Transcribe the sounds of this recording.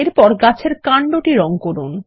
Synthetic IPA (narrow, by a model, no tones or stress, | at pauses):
eɾpɔɾɡat͡ɕʰeɾkaɳɖoʈiɾɔŋkoɾun